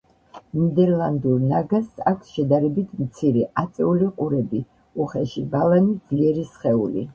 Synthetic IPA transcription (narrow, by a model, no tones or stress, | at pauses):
nid̪ɛɾlˠand̪uɾnaɡasakʷʰsʃɛd̪aɾɛbit̪ʰmt̪sʰiɾɛʔat̪sʼɛuliqʼuɾɛbi | uχɛʃibalˠanid̪z̥liɛɾisχɛṵlḭ